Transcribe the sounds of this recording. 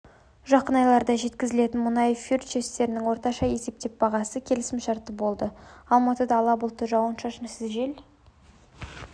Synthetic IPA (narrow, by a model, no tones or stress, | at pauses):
ʒɑqənɑjlˠɑɾd̪ɑʒe̞t̪kʲɪzɪle̞t̪ɪnmʊnɑjfʲirt̪t͡ʃest̪e̞ɾɪnɪŋwo̞ɾt̪ɑʃɑje̞se̞p̚t̪e̞p̚bɑʁɑsəkʲʰe̞lɪsɪmʃɑɾt̪ːəbo̞lˠd̪əɑlˠmɑt̪əd̪ɑːlˠɑbəlˠt̪ːəʒɑwənʃɑʃənsɪzʒel